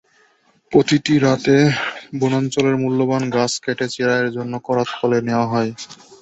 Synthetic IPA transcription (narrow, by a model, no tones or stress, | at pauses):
pɾot̪iʈiɾat̪ebunant͡ɕoleɾmulːobanɡaskɛʈet͡ɕeɾaeɾd͡ʑonːokɔɾat̪fʰɔleneoaɦɔe